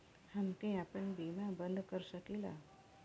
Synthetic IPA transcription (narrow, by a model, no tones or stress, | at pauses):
hamkẽapəɳbinabənd̪kəɾsəkila̰